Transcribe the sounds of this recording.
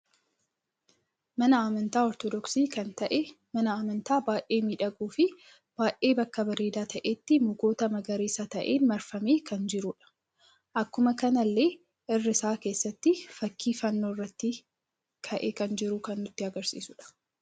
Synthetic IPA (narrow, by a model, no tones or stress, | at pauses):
mɐnɐaːmɐnt̪aːɔɾt̪ɔd̪ɔksiːkɐnt̪ɐʔɛ | mɐnɐaːmɐnt̪aːbaːʔeːmiːᶑɐɡuːfɪ | b̥aːʔeːbɐkːɐbɐɾeːd̪aːt̪ʰɐʔeːt̪ːɪmʊɡoːt̪ɐmɐɡɐɾeːsɐt̪ɐʔe̞ːnmɐɾfɐmeːkɐnd͡ʒɪɾʊᶑɐ̥ | ʔɐkːʊmɐkɐnɐlːe̞ː | ʔɪrːɪsaːke̞ːsːɐt̪ːɪfɐkːiːfɐnːoːɪrːɐt̪ːɪ | kʰɐʔekɐnd͡ʒɪɾʊkɐnːʊt̪ːɪɐɡɐɾsḭːsʊᶑɐ̥